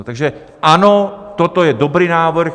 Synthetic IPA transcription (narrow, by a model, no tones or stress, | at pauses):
t̪aɡʒɛ | ʔanɔt̪ɔt̪ɔjɛd̪ɔbɾiːnaːʋr̩x